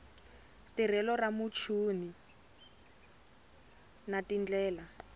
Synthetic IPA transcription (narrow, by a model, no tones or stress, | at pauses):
tir̤ɛlɔramut͡ʃʰuːni | natind͡ɮɛːla